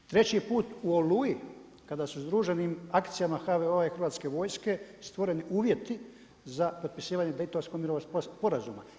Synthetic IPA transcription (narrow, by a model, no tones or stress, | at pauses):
t̪ɾe̞t͡ɕipuːt̪uoluji | kad̪asuzd̪ɾuːʒenimakt̪sijamaxaʋeoaixrɾʋaːt̪ske̞ʋo̞ːjske̞st̪ʋo̞ɾe̞niʔuːʋjet̪i | zapo̞t̪̚pisiːʋaɲed̪e̞jt̪oʋsko̞ɡmiɾo̞ʋosppo̞ɾazṵma̰